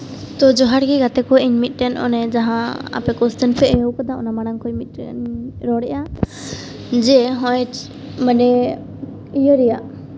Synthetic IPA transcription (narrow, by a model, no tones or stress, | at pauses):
t̪ɔd͡ʒɔɦaɽɡɛɡat̪ɛkɔiɲmit̪̚ˀʈɛnʔɔ̰nɛd͡ʒaɦãa̰pɛkɔst̪ɛnpʰɛʔəwkɔd̪aɔ̰namaɽaŋkɔjmit̪̚ˀɾɔɽɛʔa | d͡ʒɛɦɔ̃j | maɖɛ | ijɔɾɛjaʔ